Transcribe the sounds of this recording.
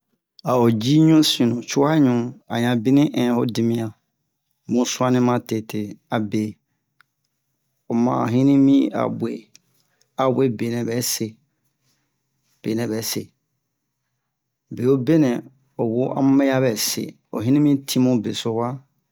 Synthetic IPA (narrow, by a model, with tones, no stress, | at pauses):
a˨o˨d͡ʒi˦ɲũ˦sĩ˨nũ˨t͡ʃu˦a˦ɲũ˨˦a˨ɲã˨bi˦nĩ˦ʔɛ̃˨ho˦di˨mĩ˦a˨ | mũ˦su˦a˦nĩ˦mã˦te˨tʰe˨a˨be˨ | o˨mã̰ː˨ɦĩ˦nĩ˦mĩ˦a̰˨bʷe˨ | a˨we˦be˨nɛ̃˨bɛ˨˦se˨ | b̥e˨nɛ̃˨bɛ˨˦sḛ˨ | be˨o˦be˦nɛ̃˨ | o˨wo˦ʔa̰˦m˦mɛ˦ja˦bɛ˨sḛ˨ | o̰˨ɦĩ˦nĩ˦mĩ˦tʰĩ˦mũ˦be˨so˨wa˦